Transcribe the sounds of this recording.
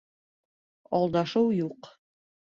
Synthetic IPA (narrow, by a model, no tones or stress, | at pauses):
ɑlˠd̪ɑʃɤwjuq